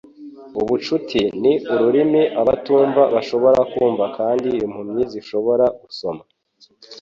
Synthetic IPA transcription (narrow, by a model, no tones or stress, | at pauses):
uβut͡ʃutʰiniuɾuɾimiʔaβatuːɱvaβaʃo̞βo̞ɾakuːɱvakaːndiːjomhumɲiziʃo̞βo̞ɾaɡ̥uso̞ma